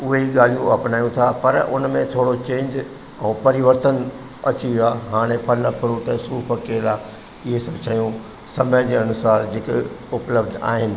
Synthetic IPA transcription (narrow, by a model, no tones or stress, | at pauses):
ʊɦeɦiɠaːl̤ijũɐ̰pnaːjũt̪ʰapɐɾʊ̰nmẽt̪ʰoːɽot͡ɕẽːɲd͡ʑ | ɛ̃ːpɐɾɪʋəɾt̪ən | ɐt͡ɕiʋjiaːɦaːɽ̃epʰɐlpʰɪɾuːʈ̪ɐsuːpʰɐkeːlaː | ɪɦesɐbʱt͡ɕʰɐjũ | sɐməd͡ʑeːɐnʊsaːɾd͡ʑɪkʊpləb̚d̪ʱa̰ːɦɪnɪ̆